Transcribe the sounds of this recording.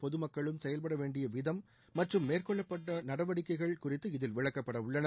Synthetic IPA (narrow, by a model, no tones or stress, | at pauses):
pɔðɯmɐkːɐɭɯmsɛjɐlpɐɽɐʋeːɳɖɪjɐʋɪðɐmː | ɐʈrɯmːeːrkɔɭːɐpːɐʈːɐnɐɽɐʋɐɽɪkːɐɪɣɐɭkʊrɪt̪ːɯɪðɪlʋɪɻɐkːɐpːɐɽɐʊɭːɐnɐ